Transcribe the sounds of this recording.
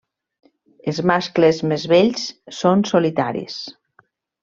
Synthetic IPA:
ezmasklezmezβeʎssonsolit̪aɾḭs

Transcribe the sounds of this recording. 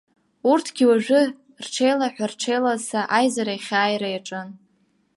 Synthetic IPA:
urtʰɡʲiwaʒᶣʷʊ | rʈ͡ʂʰejlaħʷᶣarʈ͡ʂʰejlasaʔajzaɾajχʲaːjɾajaʈ͡ʂʼɨn

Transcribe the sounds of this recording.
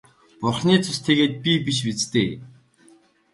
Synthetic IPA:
pʊrχniːt͡sʰʊst̪ʰeɣeːt̪̚pʲipiʃ̬pit͡st̪eː

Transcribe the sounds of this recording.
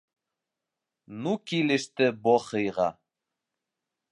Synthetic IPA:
nukilɘ̆ʃt̪ɘboχɤ̆jʁɑ̰

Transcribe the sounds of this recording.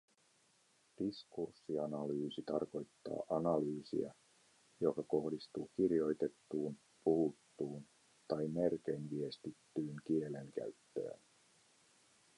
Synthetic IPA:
d̥iskursːiɑnɑlyːsit̪ɑrko̞jt̪ːɑ̰ːʔɑnɑlyːsḭɑ̰ | jo̞kɑko̞hdist̪uːk̟irjo̞jt̪e̞t̪ːuːn | puhut̪ːuːn | t̪ɑjme̞rk̟e̞jnʋie̞st̪it̪ːyːŋkie̞le̞ŋkæ̰ɥt̪ːø̰ːn

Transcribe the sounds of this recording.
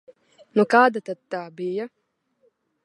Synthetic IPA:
nukaːd̪at̪ad̪t̪aːbija

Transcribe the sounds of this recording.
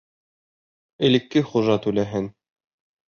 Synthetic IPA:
ɘ̆lɘ̆kːɘχuʒɑt̪ʉlæɦɘn

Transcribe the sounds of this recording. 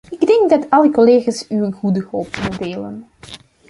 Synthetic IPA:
ɪɡdɛŋɡdɑtʰɑlˠəkoleːɣaːsyənɣudəɦɔlˠpmudeːlə̰n

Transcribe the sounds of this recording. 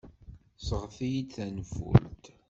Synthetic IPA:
səʁfijid̪θænfṵlt̪

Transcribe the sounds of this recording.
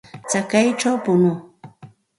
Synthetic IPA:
t͡sakajʈ͡ʂawpʊnʊ

